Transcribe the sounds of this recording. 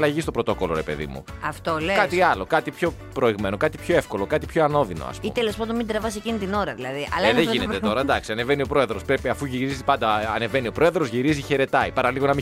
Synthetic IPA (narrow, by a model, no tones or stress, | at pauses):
lɐʝist̪o̞pɾo̞t̪o̞ko̞lo̞ɾe̞pe̞̰ðḭmṵɐft̪olekɐt̪iɐlo̞kɐt̪ipço̞ | pɾo̞iɣme̞nokɐt̪ipço̞e̞fko̞lo̞kɐt̪ipço̞ɐno̞ðino̞̰ɐ̰spuit̪elespod̪omind̪ɾɐvɐsecinit̪ino̞ɾɐðilɐðiʔɐlðeʝinet̪et̪o̞ɾɐd̪ɐksiɐne̞venio̞pɾo̞e̞ðɾo̞spɾepiɐfuʝiɾizipɐnd̪ɐɐne̞ve̞nio̞pɾo̞e̞ðɾo̞zʝiɾiziçe̞ɾe̞t̪ɐipɐɾɐliɣonɐmi